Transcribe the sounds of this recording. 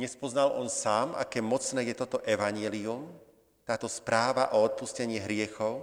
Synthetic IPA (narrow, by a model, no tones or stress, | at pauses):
ɲɛspɔznalʔɔnsaːmʔa̰kɛːmɔt͡snɛːjɛt̪ɔt̪ɔʔɛʋaɲɛlium | t̪aːt̪ɔspɾaːʋaʔɔɔt̪̚puscɛɲɪiɦɾɪɛxɔʊ